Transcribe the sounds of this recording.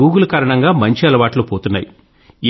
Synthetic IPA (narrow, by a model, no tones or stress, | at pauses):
uːɡulukaːɾɐɳɐŋɡaːmɐɲt͡ʃiɐlɐʋaːʈlupoːt̪unːa̰ːji